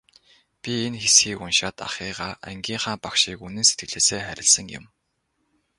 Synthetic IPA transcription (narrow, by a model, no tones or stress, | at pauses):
pʲienxesxiːkunʃaːt̪a̰χiːʁaːʔæ̰ŋɡʲiːɴχaːmpakʃiːkunɘ̆nset̪ɡɘ̆ɮeːseːχæɾʲɪ̆ɮsə̆ŋjʊ̰̆m